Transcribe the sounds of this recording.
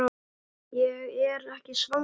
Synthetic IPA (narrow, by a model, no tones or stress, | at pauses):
jɛɣɛɾɛhcɪsva